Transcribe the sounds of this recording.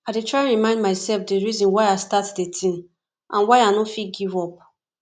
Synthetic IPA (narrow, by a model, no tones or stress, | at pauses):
adetɹaɪɹimãɪ̃ndmaɪsɛlfdeɹizɔ̃nwaɪastatdetʰĩn | ʔãnwaɪanofit̚ɡivɔp̚